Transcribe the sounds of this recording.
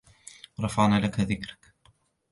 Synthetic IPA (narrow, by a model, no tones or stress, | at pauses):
ɾˤɑfɑʕnaːlakaðɪkɾḁk